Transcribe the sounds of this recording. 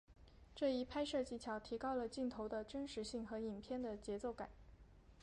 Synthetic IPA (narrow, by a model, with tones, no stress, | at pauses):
ʈ͡ʂɤ˥˩i˥˩pʰa˥ɪʂɤ˥˩t͡ɕi˧˩t͡ɕʰjɑ˧˥ʊt̪ʰi˧˥kɑ˥ʊlə˨t͡ɕi˥˩nt̪ʰo˧˥ʊd̪ə˧ʈ͡ʂə˥nʂɻ̩˧˥ɕi˥˩ŋxɤ˧˥i˨˩npʰjɛ˥˩nd̪ə˨t͡ɕjɛ˧˥t͡so˥˩ʊka̰˨˩˦n